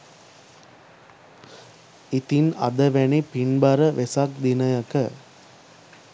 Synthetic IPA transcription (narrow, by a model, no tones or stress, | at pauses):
it̪inɐ̰d̪ɐʋɛnipinbɐɾɐʋesak̚d̪inɐjɐkɐ